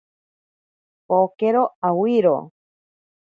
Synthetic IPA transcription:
pokeɾoawiɾo̰

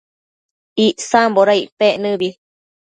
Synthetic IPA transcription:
iʔsamboɾaiʔpeʔnɨ̃βi

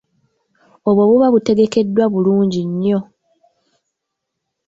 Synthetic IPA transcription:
oβwo̞βuβaβute̞ɡe̞ke̞dːwaβuluːɲɟiɲːo̞

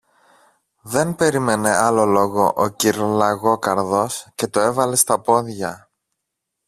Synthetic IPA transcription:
ðe̞npe̞ɾime̞ne̞ɐlo̞lo̞ɣo̞ʔociɾlɐɣo̞kɐɾðo̞sce̞t̪o̞e̞vɐle̞st̪ɐpo̞ðʝɐ

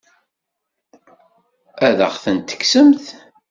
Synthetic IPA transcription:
æðə̰ʁθənt̪ə̥ksəmθ

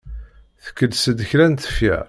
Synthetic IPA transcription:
θə̥kːəlsəd̪əçɾænt̪ə̥fjæ̰

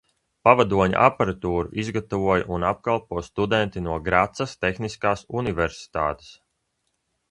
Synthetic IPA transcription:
pavad̪uɔɲa̰ʔapaɾat̪uːɾuʔizɡat̪avuɔjaʔunap̚kalˠpuɔst̪ud̪ɛnt̪inuɔɡɾat̪sast̪exniskaːsunivɛɾsi̥t̪a̰ːt̪e̥s

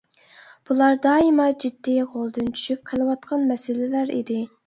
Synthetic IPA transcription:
b̥ulˠɑɾd̪ɑːimɑd͡ʒid̪ːiʁolˠd̪ɨnt͡ʃʰy̥ʃyp̚qʰəlˠɨwɑt̪̚qʰɑnmɛsɪlɪlæɾḭd̪ɪ

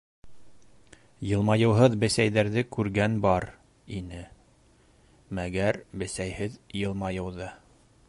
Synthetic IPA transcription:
jɤ̆lˠmɑjɤ̆wɦɤðbɘ̆sæjðæɾðɘkʉɾɡænbɑɾ | inɘ | mæɡæɾbɘ̆sæjhɘðjɤ̆lˠmɑjɤ̆wðɤ

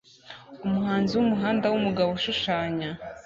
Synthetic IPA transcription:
umuhaːnziwumuɦaːndawumuɡaβoʃuʃaːɲa

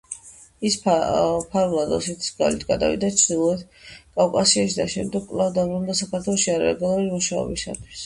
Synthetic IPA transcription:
isppʰaɾvlˠad̪ɔ̰sɛt̪ʰi̥sɡalit̪ʰɡad̪a̰vḭd̪at͡ʃʰɾd̪ilˠɔɛd̪ | kʼafkʼasiaʃid̪aʃɛmd̪ɛɡ̚kʼlˠavd̪abɾund̪asakʰaɾt̪ʰwɛlˠɔʃiaɾa̰ɛɡalˠuulimuʃaɔ̰bisa̰t̪ʰwis

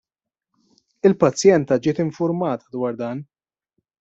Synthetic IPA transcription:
ɪlpɐt͡sːjɛnt̪ɐd͡ʒɪːt̪ɪɱfʊɾmɐːt̪ɐ̥d̪wɐːɾd̪ɐːn

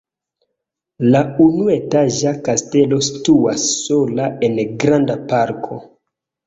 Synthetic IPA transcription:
launue̞taʒakaste̞lo̞si̥tuasːo̞lae̞nɡɾandapaɾkʰo̞

